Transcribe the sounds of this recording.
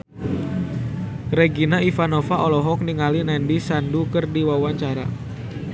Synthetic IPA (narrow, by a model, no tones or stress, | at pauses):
reɡinaifanofaʔɔlɔɦɔk̚niŋalinɛndisandukərdiwawaɲt͡ʃaɾa̰